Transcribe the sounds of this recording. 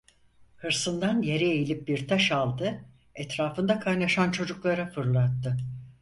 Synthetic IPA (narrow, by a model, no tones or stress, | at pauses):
hɯɾsɯnd̪anje̞ɾɛejilʲip̚biɾt̪ʰaʃalˠd̪ɯ | ɛt̪ɾaːfɯnd̪akʰajnaʃant͡ʃʰo̞d͡ʒuklˠaɾafɯɾlˠat̪ːɯ